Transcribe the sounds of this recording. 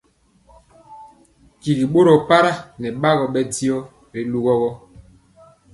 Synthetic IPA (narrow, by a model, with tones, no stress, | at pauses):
ki˨ɣi˨ɓo˦ɾɔ˨pa˦ɾa˦nɛ˨ɓa˦ɣɔ˨ɓɛ˦di˦ɔ˦ | ɾi˨˦lu˦ɣɔ˦ɣɔ˦